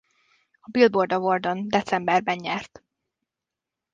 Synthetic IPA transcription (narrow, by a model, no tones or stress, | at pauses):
ɒbilbord̪ɒvord̪ond̪ɛt̪sɛmbɛrbɛnɲɛrt̪